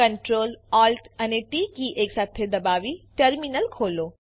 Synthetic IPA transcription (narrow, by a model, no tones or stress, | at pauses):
ɐ̃ɳʈɾoːlaːlʈɐneʈiːkiʔeːksaːt̪ʰed̪ɐbaːʋiʈəɾminəlkʰoːloː